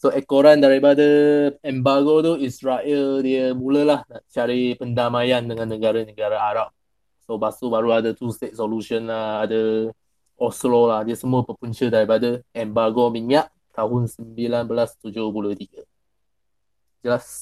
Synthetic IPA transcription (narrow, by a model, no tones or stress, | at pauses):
soɛkoɾandaɾipadəɛmbaɡot̪uisɹaʔildiəmuləlahnaʔt͡ʃaɾipəndamajandəŋãnːəɡaɾanəɡaɾaaɾap̚ | sobasubaɾuadət̪ust̪et̪̚soluʃənlaadə | ʔɔslɔlahdiəsəmuəpəpuɲt͡ʃədaɾipadəɛmbaɡomiŋaʔ | t̪aɦʊnsəmbilanbəlast̪ud͡ʒʊhbuloht̪iɡə | d͡ʒəlas